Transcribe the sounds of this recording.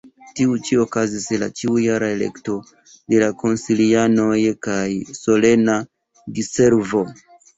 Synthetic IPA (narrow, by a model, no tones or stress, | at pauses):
tiut͡ʃio̞kazisla̰t͡ʃiujaɾae̞le̞̰kto̞ | de̞lako̞nsiliano̞jkajso̞le̞na | dise̞ɾvo̞